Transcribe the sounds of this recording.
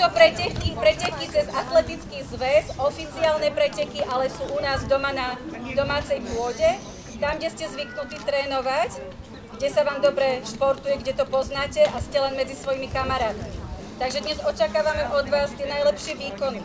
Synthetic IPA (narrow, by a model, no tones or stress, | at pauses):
t̪ɔpɾɛcɛkipɾɛcɛkit͡sɛzat̪lɛt̪it͡skiːɣzʋɛzɔfit͡siaːlnɛpɾɛcɛkiʔalɛsuːʔunaːzd̪ɔmanad̪ɔmaːt͡sɛjpʊɔɟɛ | t̪amɡɟɛscɛzʋiknut̪iːt̪ɾɛːnɔʋac | ɡɟɛsaʋaːmd̪ɔbɾɛʃpɔɾt̪ujɛɡɟɛt̪ɔpɔznaːcɛʔascɛlɛnmɛd͡zisʋɔjimikamaɾaːt̪mi | t̪aɡʒɛd̪ɲɛzɔt͡ʃakaːʋamɛʔɔd̪ʋaːst̪ɪɛnajlɛpʃɪɛʋiːkɔni